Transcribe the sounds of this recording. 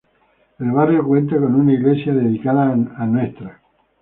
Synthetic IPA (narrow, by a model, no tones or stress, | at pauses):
elβ̞arjokwẽ̞nt̪ako̞nunaiɣlesjaðeðikaðaːnwest̪ɾa